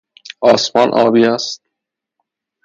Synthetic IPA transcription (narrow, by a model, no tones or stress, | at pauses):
ɒːsmɒːnʔɒ̰ːbiːæst̪̚